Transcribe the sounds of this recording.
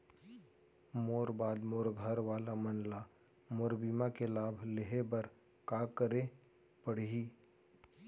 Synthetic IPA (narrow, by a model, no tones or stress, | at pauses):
moːɾbaːd̪moːɾɡʱəɾʋaːlamənla | moːɾbiːmakelaːbʱleɦebɐɾ | kaːkəɾe | pəɽ̤ɦi